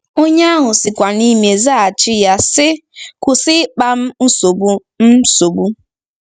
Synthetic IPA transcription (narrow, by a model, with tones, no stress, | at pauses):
o˦ɲe˦a˦ɦʊ˨sɪ˨kʷa˨ni˦me˨za˦a˨t͡ʃɪ˦ja˦sɪ˦kʷʊ˨sɪ˦k͡pa˦m̩˦n̩˦so˨bu˦ | m̩˦so˨bu˦